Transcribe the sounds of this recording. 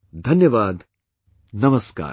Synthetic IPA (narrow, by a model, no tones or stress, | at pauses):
d̪ʱɐnjɐʋaːd̪ | nɐmɐska̰ː